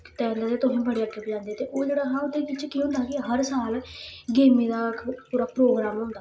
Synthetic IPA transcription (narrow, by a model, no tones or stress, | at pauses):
kɪt̪ɛ̃ːnd̪aːt̪eːt̪ʊɦĩːbəɽeːəʈʰːepːd͡ʒãːnd̪eɛːt̪eːʔoːd͡ʒeːɽaːɦãːʊd̪eːʋɪt͡ʃkiːɦʊ̃ːnd̪aːkiɦəɾsaːlɡeːmiːd̪aːpuːɾaːpɾoːɡɾaːmɦʊ̃ːnd̪aː